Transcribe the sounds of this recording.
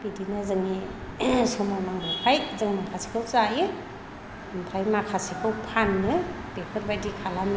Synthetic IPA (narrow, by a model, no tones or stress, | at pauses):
b̥idinɯzɯŋi | sɔmawnaŋɯmpʰajzɯŋɯmpʰasi̥kʰɯwsajɯ | ɯmpʰajmakʰasikʰɯwpʰanːɯ | b̥epʰɯɾbajdikʰalamɯ